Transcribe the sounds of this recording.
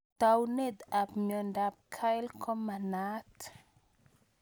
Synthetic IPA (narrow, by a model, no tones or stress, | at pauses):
t̪awned̪apmjɔndap̚kʰajlkʰɔmanat̪